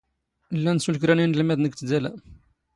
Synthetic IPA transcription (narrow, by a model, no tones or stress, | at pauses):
əlːænsulkɾæninlmæd̪nəkt̪d̪ælæ